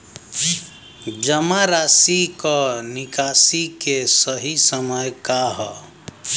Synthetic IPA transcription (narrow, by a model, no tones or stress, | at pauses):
d͡ʒəmaɾasikɔnikasikesəɦisəməjkaɦɔ